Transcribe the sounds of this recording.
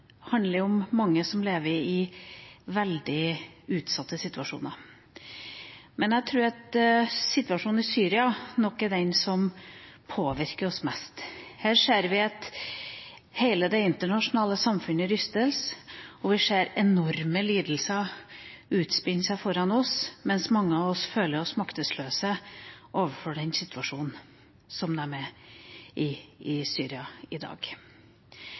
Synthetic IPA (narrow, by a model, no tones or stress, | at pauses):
hɑnd̪ləɾʊmːɑŋːəsɔmleːʋəɾɪ | ʋɛld̪ɪʉːt̪sɑt̪ːəsɪt̪ʉɑʂṵːnəɾ | mɛnæt̪ʰɾʉːɾɑt̪sɪt̪ʉɑʂuːnn̩ɪsyːɾɪɑnɔkːæɖ̪ɛnsɔmpʰoːʋɪɾkəɾɔsmɛst̪hæːɾʂeːɾʋɪɑt̪ | heɪləd̪ɛɪnt̪əɳɑʂʊnɑːləsɑmfʉnəɾʏst̪əlsɔʋɪʂeːɾɛnɔɾməliːd̪l̩sə | ʉːt̪spɪnsæɪfɔɾɑnɔsmɛnsmɑŋːəɑʋɔsføːləɾɔsmɑkt̪əsløːsəʔoːʋəfɔɖɛnsɪt̪ʉɑʂuːnn̩ | sɔmd̪ɛæɾmɛ | ʔɪɪsyːɾɪɑɪd̪ɑ̰ːɡ̥